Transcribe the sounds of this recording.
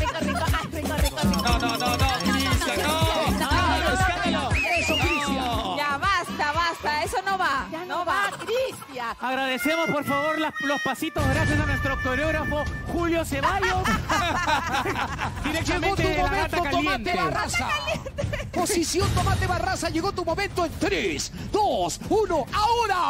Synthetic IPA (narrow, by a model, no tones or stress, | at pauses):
a | eeononononoisanoonoesaoesokɾisajaβast̪aβast̪aesonoβaanoβaist̪jaaɣɾaðesemospoɾfaβoɾlalospasit̪ozɣɾasjasanwest̪ɾok̚t̪oɾoɣɾafoxuljoseβajo | d̪iɾekd͡ʒeɣmot̪umomẽt̪oaojant̪eeβarasa̰ | po̞sisjo̞nt̪omat̪eβarasaʝeɣot̪umõ̞mẽnt̪oent̪ɾes | d̪osunoaoɾa